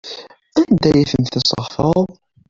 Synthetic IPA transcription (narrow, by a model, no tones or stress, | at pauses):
ænd̪æjiθəmθisˤə̰ʁfəðˤ